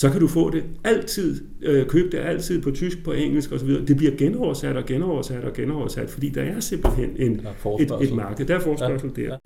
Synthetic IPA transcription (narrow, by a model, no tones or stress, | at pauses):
sɒ̽kʰæɾ̥ufɔ̰̽ːd̥e̝æl̰t͡sʰið̰ˠ | økʰøːb̥d̥eʔæl̰t͡sʰið̞̰ˠpʰɒ̽t͡sʰysɡ̥̚pʰɒ̽ʔeŋ̰l̩sɡ̥ɒ̽sɒʋiːð̞ˠɐːd̥e̝b̥liɐɡ̥enɒʊ̰ɐsæd̥ɒ̽ɡ̥enɒʊ̰ɐsæd̥ɒ̽ɡ̥enɒʊɐsæd̥fɒ̽d̥ḭːd̥ɑ̈æɐse̝mb̥l̩ɦen̰e̝n | e̝d̥e̝dmɑ̈ːɡ̥əð̩ˠd̥æɐfɒːsb̥ɶɐs̩d̥eɐ̰